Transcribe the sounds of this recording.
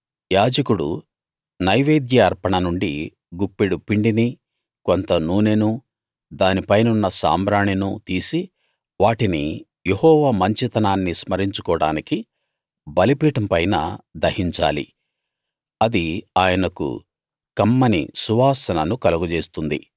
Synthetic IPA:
jaːd͡ʒɐkuɽṵ | nɐjʋeːd̪jɐːɾpɐɳɐnuɳɖi | ɡupːeɽupiɳɖini | ko̞nt̪ɐnuːnenu | d̪aːnipɐjnɐunːɐsa̰ːmbɾaːɳinut̪iːsi | ʋaːʈini | jehɔːʋaːmɐɲt͡ʃit̪ɐnaːnːismɐɾiɲt͡ʃu̥kɔːɽa̰ːniki | bɐlipiːʈɐmpɐjnɐ̰d̪ɐhiɲt͡ʃa̰ːlḭ | ɐd̪iaːjɐnɐkṵ | kɐmːɐnḭsuʋaːsɐnɐnukɐlɐɡud͡ʒeːst̪und̪ḭ

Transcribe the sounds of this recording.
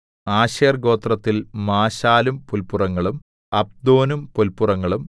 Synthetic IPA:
aːɕeːrɡo̞ːt̪rɐt̪ːilmaːɕaːlumpulpurɐŋːɐɭum | ɐb̚d̪o̞ːnumpolpːurɐŋːɐɭum

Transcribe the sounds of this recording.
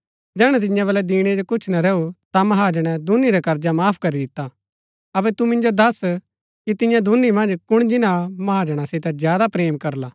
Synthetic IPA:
d͡ʒɛːɽ̃ɛ̃t̪̬ɪ̃jãβɐlɛd̪iːɽ̃ed͡ʒokʊt͡ʃʰnaɾɛːut̪amɐɦaːd͡ʒəɽ̃ɛd̪ʱʊnːiɾɛkɐɾd͡ʒamaːpʰkɐɾid̪ɪt̪ːa | ɐbɛt̪umɪ̃nd͡ʒod̪ɐs | kit̪ɪjãd̪ʱʊnːimɐ̃nd͡ʒkʊɽ̃d͡ʒɪnãmɐɦaːd͡ʒəɽ̃asɪt̪ɛzjaːd̪apɾeːmkɐɾlaː

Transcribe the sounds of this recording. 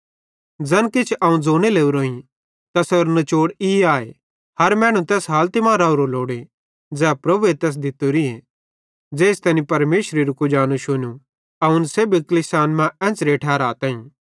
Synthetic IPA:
d͡zɐnkɪt͡ʃʰɐũd͡zoːɽ̃eleːuɾoːĩ | t̪ɐsɐɾnɐt͡ʃoːɽɪaːe | hɐɾmɛ̃ːɽ̃ũt̪ɛːsɦaːlt̪ɪmãːɾaːuɾoloːɽe | d͡zɛːpɾɐbuet̪ɛːs̬d̪ɪt̪ːoɾie | d͡ʒeːst̪ɛːnipɐɾmeːʃɾeɾukud͡ʒaːnuʃʊnu | ɐʊnseːbiklɪsaːnmãɛ̃ːt͡sɾeʈʰɛːɾaːt̪ãːĩː

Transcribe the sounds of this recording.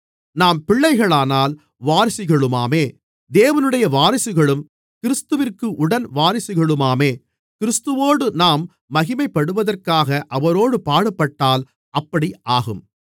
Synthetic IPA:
naːmpɪɭːɐɪɣɐɭaːnaːl | ʋaːɾɪsɪɣɐɭɯmaːmeː | d̪eːʋɐnɯɽɐjɐʋaːɾɪsɪɣɐɭɯm | kɪɾɪst̪ɯʋɪrkɯʔʊɽɐnʋaːɾɪsɪɣɐɭɯmaːmeː | kɪɾɪst̪ɯʋoːɽɯnaːmː | ɐɣɪmɐɪpːɐɽɯʋɐðɐrkaːɣɐʔɐʋɐɾoːɽɯpaːɽɐpːɐʈːaːl | ʔɐpːɐɽiʔaːɣɯm

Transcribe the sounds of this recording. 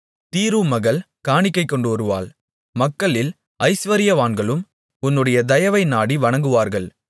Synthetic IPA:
t̪iːɾuːmɐɣɐɭ | kaːɳɪkːɐɪkːɔɳɖɯɔɾɯʋa̰ːl | mɐkːɐɭɪl | ɐɪsʋɐɾɪjɐʋaːnɡɐɭɯm | ʊnːɯɽɐjɐd̪ɐjɐʋɐɪnaːɽiʋɐɳɐŋɡɯʋaːɾɣɐɭ

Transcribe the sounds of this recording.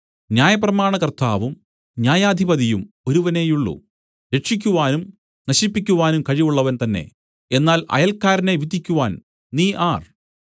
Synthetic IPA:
njaːjɐprɐmaːɳɐkɐrt̪aːʋum | njaːjaːd̪ʱibɐðijum | oɾuʋɐne̞ːjuɭːṵ | ɾe̞ʈʂik̬ʲːuʋaːnum | nɐɕipːikʲːuʋaːnumkɐɻijuɭːɐʋɐnt̪ɐnːe̞̰ | e̞nːaːlɐ̰jɐlkːaːɾɐne̞ʋid̪ikʲːuʋaːn | niːʔaːr

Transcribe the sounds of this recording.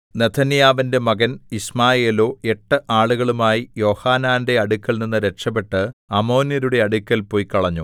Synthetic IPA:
net̪ʰːɐnjaːʋɐnde̞mɐɣɐnismaːjeːlo̞ːe̞ʈːɨʔaːɭuɣɐɭumaːjijo̞ːhaːnaːnde̞ɐɽukʲːɐlninːɨɾeʈʂɐp̬ːe̞ʈːɨɐmo̞ːnjɐɾuɽe̞ɐɽukʲːɐlpo̞ːjikɐɭɐɲːu

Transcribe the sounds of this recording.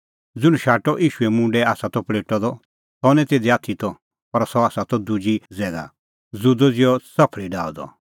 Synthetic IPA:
d͡zʊɽ̃uʃaːʈɔʔiːʃʊɛmũːɳɖɛaːsat̪ɔpɭeːʈɔd̪ɔ | sɔnɛ̃t̪eːd̪iaːt̪ʰit̪ɔ | pɐɾsɔaːsat̪ɔd̪ud͡ʒid͡zɛːɡa̰ | d͡zud̪ɔd͡zɪjɔt͡sɐpʰɭiɖaːɔd̪ɔ̰

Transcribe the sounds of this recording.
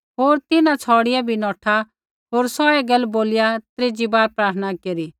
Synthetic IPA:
ɦoːɾt̪ɪnãt͡sʰɔːɽɪjabʱinɔːʈʰa | ɦoːɾsɔeɡɐlboːlɪjat̪ɾeːd͡ʒibaːɾpɾaːɾt̪ʰənakeːɾiː

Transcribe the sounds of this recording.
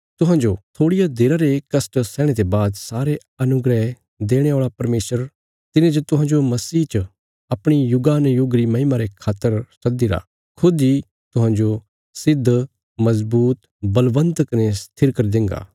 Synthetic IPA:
t̪ʊɦãːd͡ʒot̪ʰoːɽijad̪eːɾaɾekɐsʈsɛːɽ̃et̪ebaːd̪saːɾe | ɐnʊɡɾɛɦ | d̪eːɽ̃eoːɭapɐɾmeːsəɾ | t̪ɪnẽd͡ʒɐt̪ʊɦãːɲd͡ʒomɐsiːt͡ʃə | ɐpɽ̃ijʊɡaːnjʊɡɾimɐɦimaːɾekʰaːt̪ːəɾsɐd̪iɾa̰ː | kʰʊd̪i | t̪ʊɦãːd͡ʒo | sɪd̪ʱː | mɐzbuːt̪ | bɐlʋə̃nt̪əknest̪ʰɪɾkɐɾid̪ɪ̃ŋɡa̰ː

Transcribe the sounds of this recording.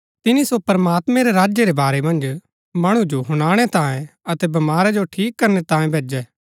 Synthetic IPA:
t̪ɪnisopɐɾɐmaːt̪mẽɾeɾaːd͡ʒjeɾebaːɾemɐ̃nd͡ʒ | mɐɽ̃ũd͡ʒoɦʊɽ̃aːɽ̃et̪ãːẽɐt̪ɛbɐmaːɾɛd͡ʒoʈʰiːkːɐɾnet̪ãːẽbʱeːd͡ʒɛː

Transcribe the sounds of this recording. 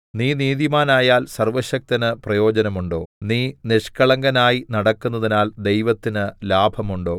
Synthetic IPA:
niːniːðimaːnaːjaːlsɐrʋɐɕɐk̚t̪ɐnɨprɐjo̞ːd͡ʑɐnɐmuɳɖo̞ːniːniʂkɐɭɐŋɡɐnaːjinɐɽɐkːunːɐðinaːld̪ejʋɐt̪ːinɨlaːbʱɐmuɳɖo̞ː

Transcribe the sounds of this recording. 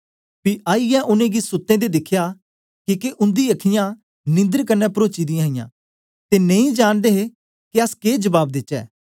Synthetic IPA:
piaːijɛ̃ʔʊnẽɡisʊt̪ːẽd̪ed̪ɪkʰːja | kiːkeʔʊ̃nd̪iɐkʰɪjã | nɪ̃nd̪əɾkɐɾnːɛpɾoːt͡ʃid̪ɪ̃ãːɪ̃jã̰ː | t̪enẽĩd͡ʒaːɽ̃d̪eːɦe | kiɐskeːd͡ʒəbaːb̚d̪ɪtːt͡ʃɛ̰ː

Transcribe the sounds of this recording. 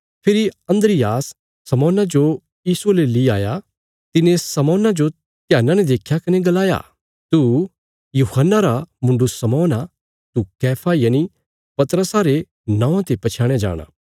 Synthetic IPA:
pʰɪɾiɐ̃nd̪ɾɪjaːsː | ɐmɔːnad͡ʒo | jiːsuleliaːja | t̪ɪnẽsɐmɔːnad͡ʒo | t̪jaːnãnɛd̪eːkʰjakɐneɡɐlaːja̰ | t̪u | juːhənːaɾamʊ̃ɳɖusɐmɔːna | t̪ukɛːpʰajaːni | pɐt̪ɾəsaɾe | nãːãt̪epɐt͡ʃʰaːɽ̃ed͡ʒa̰ːɽ̃a̰ː

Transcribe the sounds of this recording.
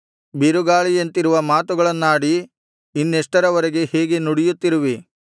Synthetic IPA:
biɾuɡaːɭijent̪iɾuʋɐmaːt̪uɡɐɭɐnːaːɽiː | nːeʂʈɐɾɐʋɐɾeɡe̞heːɡe̞nuɽijut̪ːiɾuʋi

